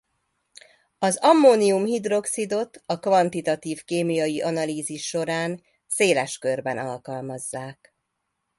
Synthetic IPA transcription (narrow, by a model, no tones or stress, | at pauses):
ɒzɒmːoːniumhid̪ro̞ksid̪o̞t̪ɒkvɒnt̪it̪ɒt̪iːfkeːmijɒjiʔɒnɒliːziʃːo̞ɾaːn | seːlɛʃkørbɛnɒ̰lkɒlmɒzːaːk